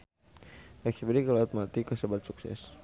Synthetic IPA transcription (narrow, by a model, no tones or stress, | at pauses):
ɛksibidikalat̪mat̪ikəsəbat̪̚suksɛ̰s